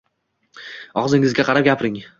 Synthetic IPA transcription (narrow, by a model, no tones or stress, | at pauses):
ɒʁzɪŋɪzɡʲaqʰɑɾap̚ɡʲapɾɪŋ